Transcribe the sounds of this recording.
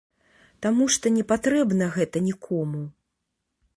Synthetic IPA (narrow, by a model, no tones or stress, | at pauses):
t̪amuʂt̪ɔnʲɛpat̪ɾɛbnɐɣɛt̪ɐnʲikʰɔmu